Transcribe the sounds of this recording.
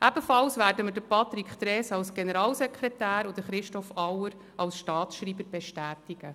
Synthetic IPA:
ʔæb̥əfɑlsʋæːɾdəmədəpʰɑt̪ɾikχt̪ɾɛːsɑwsɡ̥enəɾɑːlsɛkʰχɾɛtæːɾod̥̪əχɾɪʃtɔfɑwəɾ | ɑlsʃtɑːtsʃɾiːbəɾb̥eʃtæːtiɡ̥ə

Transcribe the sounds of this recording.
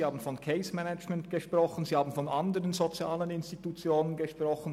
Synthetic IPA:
haːbn̩fɔnkʰɛɪsmɛnɛd͡ʒmɛntɡ̥əʃpʁ̥ɔχən̩ziːhaːbn̩fɔnʔandəʁənzot͡sjaːlənɪnstitut͡sjoːnənɡəʃʁ̥ɔχən̩

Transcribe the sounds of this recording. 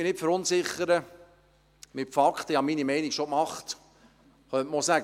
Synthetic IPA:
bɪnɪtfəɾʊnsɪχːəɾə | mɪtfɑkχtəihɑminimɛɪnikʃokmɑχt | χœntmɔsæːɡ

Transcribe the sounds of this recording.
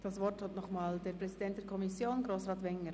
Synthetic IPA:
d̥ɑsvɔrthɔtnɔχmaːldɛɾpɾɛsidɛnt̚d̥ɛɾkʰɔmisjoːnɡɾoːsʁɑːtvɛŋːəɾ

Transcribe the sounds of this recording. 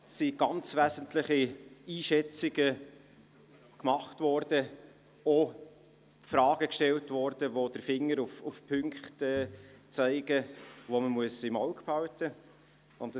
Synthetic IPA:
siɡ̥ɑnt͡svæzəntləχiiːʃɛt͡siɡə | kmɑχtvɔɾd̥ə | o | frɑːɡ̥əkʃtɛltvɔɾd̥əʋod̥əɾfɪŋːəɾufufpʰʏŋkχtɛːt͡sæɪɡ̥əʋoməmuəsɪmɑʊkpʰɑwtʰə | ʊnt

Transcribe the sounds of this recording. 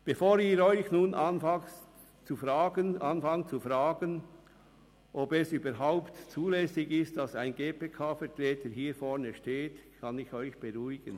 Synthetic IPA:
b̥efoːɾɪːɾɔʏçnuːnʔanfa | t͡sufʁaːɡənʔanfaŋt͡sufɾaːɡən | ʔobɛsyːbəɾɦaʊptt͡suːlɛsɪɡɪstd̥ɑsaɪnɡeːpeːkʰaːfɛɐtʁɛːtəɦiːɾfɔɾnəʃteːtkʰɑnɪçɔʏçb̥eʁuɪɡ̥ən

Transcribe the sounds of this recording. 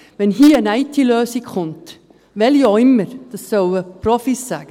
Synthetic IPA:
ʋɛnɦiːənæɪtʰiløːsɪkχʊnt | ʋɛljoɪmːəɾd̥ɑsːœwəprɔfisːæɡ̥ə

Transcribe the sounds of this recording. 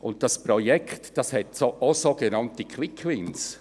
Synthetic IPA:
ʔʊnt̚d̥ɑspɾojɛktd̥ɑshɛtsoʔosoɡenɑntikʰwɪkʰwɪns

